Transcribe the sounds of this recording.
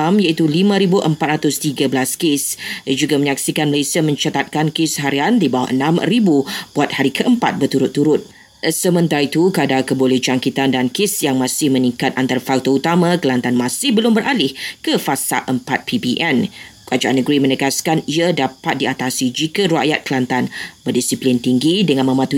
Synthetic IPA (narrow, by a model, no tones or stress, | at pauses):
amjait̪ulimãɾibuʔəmpat̪ɾat̪ʊst̪iɡəbəlaskesad͡ʒuɡamə̃ɲak̚sikanməlesiamə̃ɲt͡ʃat̪at̪̚kankesɦaɾiandibawa̰ʔə̰nãmɾibub̥uat̪̚haɾikʰəʔəmpa̰t̪̚bət̪uɾʊt̪ːuɾʊt̪̚ | əsəmə̃nt̪aɾait̪ukadakəboled͡ʒaŋkit̪andankɪsjaŋmãsɪhmə̃nĩŋkat̪ant̪aɾafak̚t̪out̪amãkəlant̪anmãsɪhbəlʊmbəɾʔalɪhkəfasa̰ʔəmpat̪̚pʰibiʔɛnkəad͡ʒaʔanəɡɾimə̃nəɡaskaniadapat̪̚diat̪asid͡ʒikaɾa̰ʔjat̪̚kəlant̪anbərdisiplint̪iŋɡidəŋãnmə̃mat̪u